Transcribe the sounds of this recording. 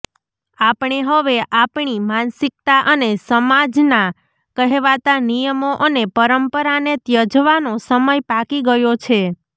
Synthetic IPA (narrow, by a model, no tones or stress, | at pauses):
apɳeɦəʋeʔapɳimansɪk̚t̪aʔənesəmad͡ʒna | kəɦeʋat̪anijəmoʔənepəɾəmpəɾanet̪jəd͡ʒʋanosəməjpakiɡəjot͡ʃʰe